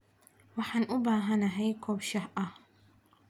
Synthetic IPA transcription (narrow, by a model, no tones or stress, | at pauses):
waħanʔubaːɦanaɦajkʰɔbʃahʔa